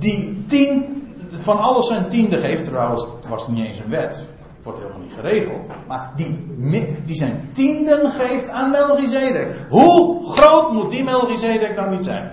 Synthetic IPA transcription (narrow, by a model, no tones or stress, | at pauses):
ditinfɔnɔlˠəsɛjntindəχeːftrawəstʋɔsnieːnsənʋɛt | ʋɔrthḛːlˠma̰lˠnitχəreːɣəlˠtmardimdisɛjntindənχeːftaːnmɛlˠɣizeːdɪkhuxroːtmut̚dimɛlˠɣizeːdɪk̚dɔnʋitsɛ̰jn